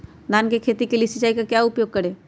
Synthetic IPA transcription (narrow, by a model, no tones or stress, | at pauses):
d̪aːnkekʰeːt̪ikeliesɪt͡ʃaːikakjaʊpjoːɡ̚kəɾeː